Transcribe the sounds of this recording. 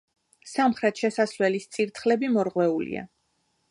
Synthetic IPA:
samχɾɛt̪ʃɛsaslɛlist̪sʼiɾt̪ʰχlɛbimɔɾʁwɛulḭa̰

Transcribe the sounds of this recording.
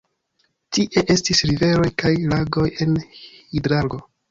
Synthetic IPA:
tiʔe̞ʔe̞stisɾive̞ɾo̞jkajlaɡo̞je̞nidɾalɡo̞

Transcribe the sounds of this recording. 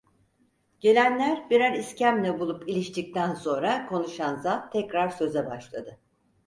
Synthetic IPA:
ɟ̥e̞lʲænlʲæɾbiɾæɾiscæmlʲɛbulˠupilʲiʃt̪ʰic̚t̪ʰænso̞nɾakʰo̞nuʃanzat̪ʰːɛcɾaɾsø̞zɛbaʃlˠad̪ɯ

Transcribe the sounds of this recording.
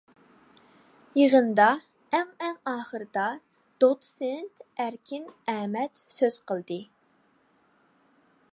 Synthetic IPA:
jəʁənd̪ɑ | æŋɛŋɑːχəɾɨd̪ɑ | d̪̥ot̪sent̪æɾkʲʰinɛːmɛt̪søz̥qʰəlˠd̪ɨ

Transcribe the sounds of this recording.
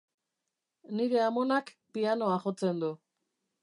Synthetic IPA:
niɾeamo̞nak | piano̞aχo̞t͡se̞nd̪u

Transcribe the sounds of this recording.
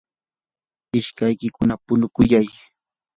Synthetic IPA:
ɪʃkajkɪkʊnapʊnʊkʊjaj

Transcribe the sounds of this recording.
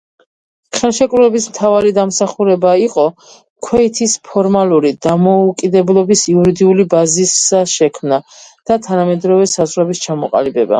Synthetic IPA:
χɛlˠʃɛkʼɾuɛbismt̪ʰavaɾid̪amsaχuɾɛbaiqʼɔ | kʰwɛit̪ʰispʰɔɾmalˠuɾid̪̥amɔukʼid̪ɛblˠɔbisiuɾid̪iulibazisaʃɛkʰmnad̪̥at̪ʰanamɛd̪ɾɔvɛsazʁɾɛbist͡ʃʰamɔqʼa̰libɛba̰

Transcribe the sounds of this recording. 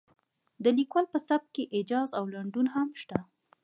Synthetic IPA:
d̪əlikwɑlpəsab̚keʔɪd͡ʒɑzawlaɳɖunhamʃt̪a

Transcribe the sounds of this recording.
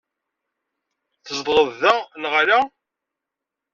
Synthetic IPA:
θəzd̪ˤʁəðːænʁɾa

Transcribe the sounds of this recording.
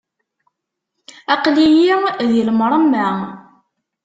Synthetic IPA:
ɑqlijijəlmɾˤəmːæ

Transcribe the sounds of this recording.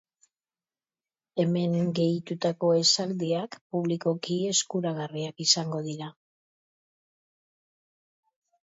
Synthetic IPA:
e̞me̞ŋɡe̞jt̪ut̪ako̞e̞sald̪iakpuβliko̞kie̞skuɾaɣariakisaŋɡo̞ðiɾa

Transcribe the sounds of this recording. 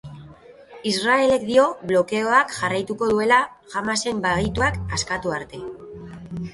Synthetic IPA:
israe̞le̞k̚d̪io̞βlo̞ke̞o̞akʝarajt̪uko̞ðue̞la | ʝamase̞mbaɣit̪uakaskat̪uaɾt̪e̞

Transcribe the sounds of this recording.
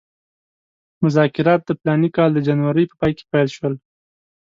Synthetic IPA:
mʊzɑkɪɾɑt̪̚d̪əplɑnikɑld̪əd͡ʒanwaɾəjpə̥pɑjke̥pajlʃwəl

